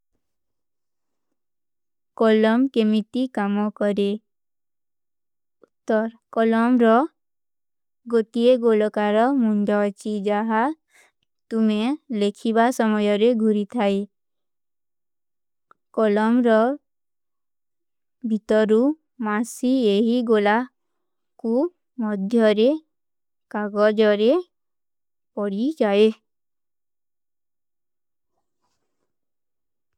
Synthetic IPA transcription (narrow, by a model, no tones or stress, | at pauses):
kɔlɔmkemit̪ikamɔkɔɾe | t̪ɔɾ | kɔlɔmɾɔ | ɡot̪ieɡolɔkaɾɔmuɳɖɔt͡ʃid͡ʒaɦa | t̪umelekʰibasɔmɔjɔɾeɡʱuɾit̪ʰae | kɔlɔmɾɔ | bʱit̪ɔɾu | masieɦiɡola | ku | mɔd̪ʱjɔɾe | kaɡɔd͡ʒɔɾe | pɔɽid͡ʒae